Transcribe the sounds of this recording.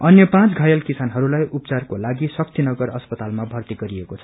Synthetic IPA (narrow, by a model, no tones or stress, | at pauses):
ʌnjʌpãt͡sɡʱʌjʌlkisanɦʌɾulajʔup̚t͡sarkolaɡisʌkt̪inʌɡʌrʌspʌt̪almabʱʌrt̪iɡʌɾiekot͡sʰʌ̥